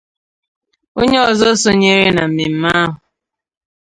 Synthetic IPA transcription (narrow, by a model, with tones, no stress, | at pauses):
o˦ɲe˦ɔ˨zɔ˦sɔ˦ɲe˦ɾe˦na˨m̩˨me˨m̩˦ma˦a˦ɦʊ˨